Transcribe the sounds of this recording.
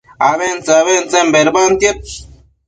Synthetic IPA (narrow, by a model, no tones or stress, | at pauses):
aβent͡saβent͡sembeɾbant̪jep̚